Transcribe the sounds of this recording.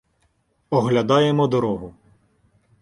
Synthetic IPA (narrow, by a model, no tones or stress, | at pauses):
ɔɦlʲɐd̪ɑjemɔd̪ɔɾɔɦʊ